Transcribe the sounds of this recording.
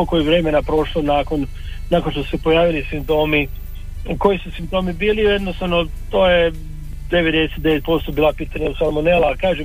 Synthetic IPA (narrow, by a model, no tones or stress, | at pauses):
okojeʋɾeːmenapɾo̞ʃlonaːkon | naːkonʃt̪osu̥sepojaːʋilisimpt̪o̞ːmi | ko̞jisusimpt̪o̞ːmibiːlijed̪nost̪aʋnot̪o̞ːje | d̪e̞ʋed̪eset̪d̪eʋe̞t̪̚po̞st̪obiːlˠapiːt̪aɲausalmonelakaːʒem